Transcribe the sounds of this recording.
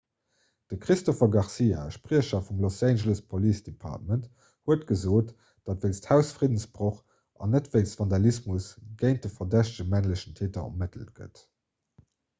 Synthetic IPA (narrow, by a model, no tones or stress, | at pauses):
d̥əkʁistofɐɡɑʁsiːa̰ʃpʁiəɕɐfumlosænʒələspʰoliːsd̥epʰɑ̰ʁtmənt | huətɡ̥əzoːt | d̥ɑtveɪnsthæʊsfʁidənsb̥ʁoχ | ʔɑ̰nətv̥əɪnstv̥ɑndɑlismusɡ̥eɪnt̚dəfɐdæɕtəʒəmæŋləɕəntʰeːtɐɑ̰mətʰəlt̚ɡ̥ə̰t